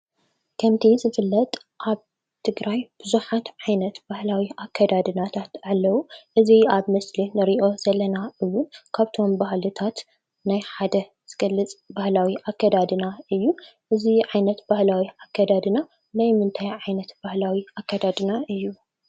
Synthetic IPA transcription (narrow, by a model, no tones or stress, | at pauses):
kʰɐmt̪ʰizɨfɨlːɐt̪ʼ | ʔaβ | t̪ʰɨɡɾajb̥ɨzuħat̪ʕajnɐt̪b̥ahlawiʔakʰːɐd̪ad̪ɨnat̪ʰat̪ʕalːɐwuʔɨziaβmɐslinɨɾiʔo̞z̥ɐlɐnaɨwːʊnkʰaβt̪ʰo̞mbahlɨt̪ʰat̪ | najħad̪ɐ | z̥ɨɡ̥ɐlːɨt͡sʼbahlawiʔakːɐd̪ad̪ɨnaɨjːuʔɨziʕajnɐt̪b̥ahlawiakːɐd̪ad̪ɨna | najmɨnt̪ʰajʕajnɐt̪bahlawiakːɐd̪ad̪ɨnaʔɨjːu